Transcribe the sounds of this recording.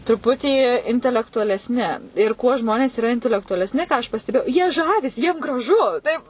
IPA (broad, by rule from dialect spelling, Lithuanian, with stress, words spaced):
trʊˈpʊtʲiː ɪnʲtʲɛlʲɛktʊɐlʲɛsʲˈnʲɪ ɪr kuɔ ˈʒmoːnʲeːs iːˈrɐ ɪnʲtʲɛlʲɛktʊɐlʲɛsʲˈnʲɪ kɑː ɐʃ pɐsʲtʲɛˈbʲeːjɛʊ jiɛ ˈʒɑːʋʲɪsʲɪ ˈjiɛm ɡrɐˈʒʊ ˈtɐɪp